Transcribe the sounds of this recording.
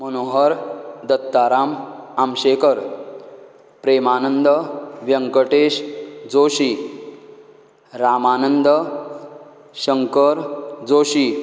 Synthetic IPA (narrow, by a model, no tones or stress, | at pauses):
mənoɦəɾd̪ət̪ːaɾamamɕekəɾ | pɾemanənd̪əʋjəŋkəʈeɕd͡zoɕi | ɾamanənd̪ə | ɕəŋkəɾd͡zoɕi